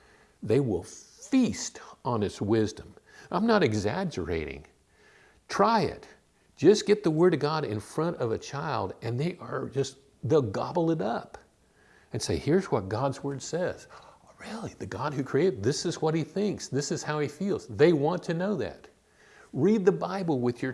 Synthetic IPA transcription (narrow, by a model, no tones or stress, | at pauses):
ðeɪwɪlˠfistn̩ɨtswɪzdə̃mʔãɪ̃mnəɾɨɡzæd͡ʒə̰˞ḛɪɾɪ̰̃ŋ | tʰɹ̥aɪɪ̰t̚ | d̥ʒ̥ʌsɡ̥ɛt̪̚ðəwɜ˞ɾʌɡɑɾɪ̰̃nfɹʌ̃ñtʌvɨt͡ʃʰaɪlˠdɨ̃nðeɪʔə˞d͡ʒʌst | ðeɡɑbl̩ˠɨɾʌp | ɨ̃nseɪhiɹzwʌt̚ɡ̥ɑdzwɜ˞d̥sɛz̥ɹɪlˠiðɨɡɑd̚hʉkʰɹ̥ieɪt̚ðɪsɨzwʌt̚hiθɪ̃ŋksðɪsɨz̥haʊifilˠz̥ðeɪwɑ̃ntʰɨnoʊðæ̰t̚ | ɹid̪̚ðɨbaɪbl̩ˠwɨðjə˞